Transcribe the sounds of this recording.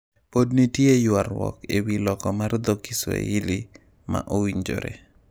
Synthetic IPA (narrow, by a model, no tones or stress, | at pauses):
podnitjejwaɾwɔ̰kewilɔkɔmard̪okiswḛili | ma̰ʔowiɲd͡ʒo̰ɾḛ